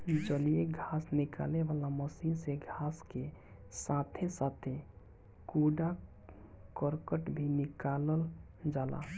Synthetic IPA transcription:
d͡ʒəlijeɡʱasnika̰leʋalaməsinseɡʱaske | sãt̪ʰesat̪ʰe | kuɖa | kəɾkəʈbʱinɪkaləl | d͡ʒaːla̰

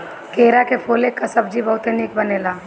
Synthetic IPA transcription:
keːɾakepʰoːlekːasɐbd͡ʒibɐɦʊt̪enɪkbɐneːlaː

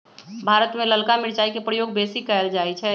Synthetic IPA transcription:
bʱaːɾət̪mẽləlkamɪɾt͡ʃaːikepɾəjoːɡ̚beːsikɛəld͡ʒaːit͡ʃʰɛ

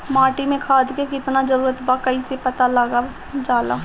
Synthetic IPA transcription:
maːʈimẽkʰaːd̪kekɪt̪nad͡ʒəɾuːɾət̪bakɐisepɐt̪aləɡa | d͡ʒaːla̰ː

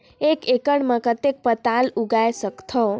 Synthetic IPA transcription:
ekekəɽmə̃kət̪ek̚pət̪aluɡajsəkt̪ʰɔ

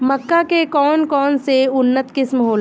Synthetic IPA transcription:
mɐkːakekɔːnkɔːnseʊnːət̪kɪsmɦoːl

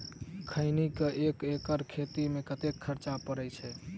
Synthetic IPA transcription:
kʰəɪnikəʔekekəɾkʰet̪imekət̪ekʰːəɾt͡ʃapəɾɛt͡ʃʰɛ

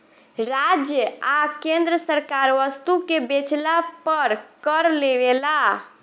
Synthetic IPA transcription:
ɾad͡ʒjəakend̪ɾəsəɾkaɾʋəst̪ukebet͡ʃlapəɾkəɾleʋela

